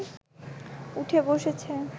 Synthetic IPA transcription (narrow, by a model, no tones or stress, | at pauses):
uʈʰeboʃet͡ɕʰe